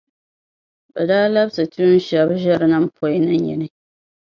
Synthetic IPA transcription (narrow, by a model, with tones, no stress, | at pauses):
bɛ˨daː˦la˦bsɨ˨tu˦n˦ʃa˦bʒɛ˦ɾɨ˦na˦m̩˦pʰo˦i˦nɨ˦ɲɛ̰˨nɨ˦